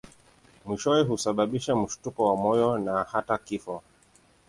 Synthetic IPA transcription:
miʃɔɛɦusaɓaɓiʃam̩ʃu̥tukɔwamɔjɔnahatakifɔ

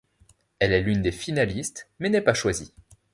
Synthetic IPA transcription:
ɛlɛlynd̪efinalist̪mɛnɛpaʃwazi

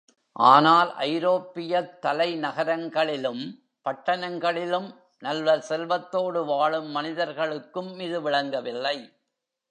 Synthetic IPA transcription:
ʔa̰ːnaːlʔɐ̰ɪɾoːpːɪjɐt̪ːɐlɐɪnɐɣɐɾɐŋɡɐɭɪlɯm | pɐʈːɐnɐŋɡɐɭɪlɯm | nɐlʋɐɾsɛlʋɐt̪ːoːɽɯʋaːɭɯmːɐnɪðɐɾɣɐɭɯkːɯmɪðɯʋɪɭɐŋɡɐʋɪlːɐɪ

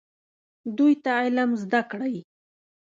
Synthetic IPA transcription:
d̪ʊjt̪aːjlamzd̪akɽaj

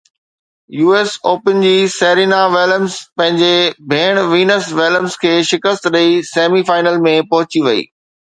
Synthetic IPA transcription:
juːeːsoːpənd͡ʑiːseːɾiːnaʋeːləmzpɐ̃ɦɪ̃ɲd͡ʑebʱeːɽ̃ʋiːnəsʋeːləmzkʰeːʃɪkəst̪ɗɐiseːmifaːɪnəlmẽpɐɦʊt͡ɕiʋɐḭː

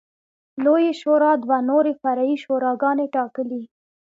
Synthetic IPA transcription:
lojeʃoɾɑd̪wanoɾefaɾaiʃoɾɑɡɑneʈɑkəli

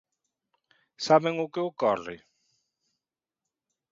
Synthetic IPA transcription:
saβeŋʊkɪokɔrɪ̰

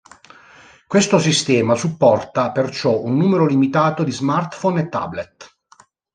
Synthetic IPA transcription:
kwest̪osist̪ɛːmasupːɔrt̪apert͡ʃɔunːuːmeɾolimit̪aːt̪od̪izmart̪fonet̪ːa̰blet̪

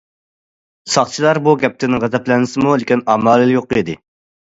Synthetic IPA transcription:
sɑχt͡ʃʰilˠɑɾbuɡʲɛp̚t̪ʰɪnɪʁɛzɛplɛnɪsɨmulɪkʲinɑːmɑːlˠɨljoqːid̪ɪ

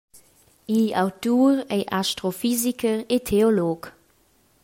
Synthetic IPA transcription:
iawtuːʁeɪʔaʃtʁofizikəʁetʰeoloːk

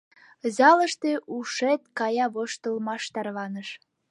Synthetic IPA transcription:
zɑlə̆ʃt̪euʃet̪kɑjɑβoʃt̪ɤ̆lmɑʃt̪ɑrβɑnə̆ʃ

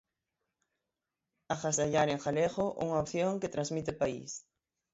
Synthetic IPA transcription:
axasaʎaɾeŋxaleɣoʔṵŋaopθjoŋket̪ɾãnzmit̪ɪpaḭs

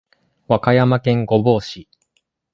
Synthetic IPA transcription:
βakajamakẽ̞ŋɡo̞bo̞ːɕi

